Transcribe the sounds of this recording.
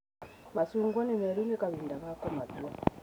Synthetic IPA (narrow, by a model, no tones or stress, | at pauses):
masuŋɡwanimɛɾunekaβindakakɔmazuwa